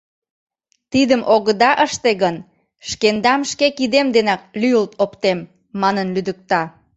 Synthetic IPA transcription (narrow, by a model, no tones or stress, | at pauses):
t̪id̪əmʔoɣəd̪ɑʔəʃt̪eɣən | ʃkend̪ɑmʃkekid̪emd̪enɑk̚lyəlt̪ʰopt̪emː | ɑnənlyd̪ək̚t̪ɑ